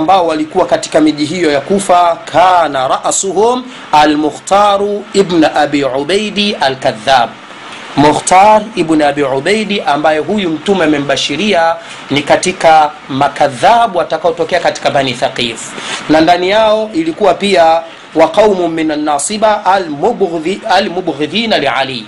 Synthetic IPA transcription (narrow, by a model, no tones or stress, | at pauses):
mbaɔwalikuwakati̥kamiʄiɦijɔjakufakʰaːnaɾˤɑʔsuhum | almʊxtaːɾuibnʔabiʕuɓajɗialkaðːaːb̚ | muxtaɾibnaɓiʕuɓajɗiʔambajɛɦujum̩tumɛamɛm̩ɓaʃiɾia | nikatika | makaðːaɓuwatakaɔtɔkɛakati̥kamaniθaqifu̥nandanijaɔʔilikuwapia | waqawmʊmːinanːaːsiba | almubɣiðiːnaliʕa̰liː